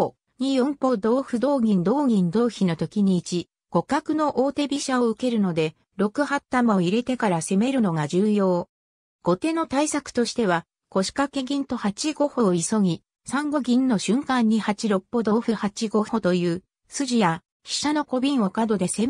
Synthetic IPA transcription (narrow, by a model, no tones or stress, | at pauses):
o | ɲ̟ijõ̞mpo̞d̪o̞ːɸɯ̟d̪o̞ːɡʲĩnd̪o̞ːɡʲĩnd̪o̞ːçino̞t̪o̞kʲiɲ̟iːt͡ɕi | ɡ̥o̞kakɯ̟no̞ʔo̞ːt̪e̞bʲiɕao̞ɯ̟ke̞ɾɯ̟no̞d̪e̞ | ɾo̞kɯ̟hat̪ːamaoiɾe̞t̪e̞kaɾase̞me̞ɾɯ̟no̞ɡad͡ʑɨːjo̞ː | ɡ̥o̞t̪e̞no̞t̪aisakɯ̟̥t̪o̞ɕi̥t̪e̞β̞a | ko̞ɕi̥kake̞ɡʲĩnt̪o̞hat͡ɕiɡo̞ho̞ːiso̞ɡʲi | sãŋɡo̞ɡʲĩnːo̞ɕɨ̃ŋkãɲ̟ːihat͡ɕiɾo̞pːod̪o̞ːɸɯ̟hat͡ɕiɡo̞ho̞t̪o̞jɯ̟ː | sɨʑija | ɕi̥ɕano̞ko̞bʲĩɰ̃o̞kad̪o̞d̪e̞se̞